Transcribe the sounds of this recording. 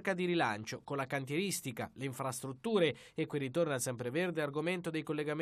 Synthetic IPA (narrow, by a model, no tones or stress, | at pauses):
kad̪iɾilant͡ʃokonlakant̪̬jeɾist̪ika̰leiɱfɾast̪ɾut̪ːuːɾe | ekːwirːit̪ornasɛmpɾeverd̪earɡoment̪od̪ejkolːeɡam